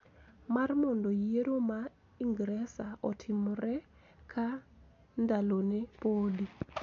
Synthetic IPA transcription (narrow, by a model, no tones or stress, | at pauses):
marmɔndɔjeɾoma | iŋɡɾɛsaʔɔtʰɪmɾɛ | kʰa | ndalonɛpodi